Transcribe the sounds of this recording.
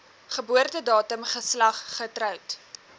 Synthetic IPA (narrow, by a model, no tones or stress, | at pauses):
χəbuərtədɑːtəmχəslɐχːətrœwt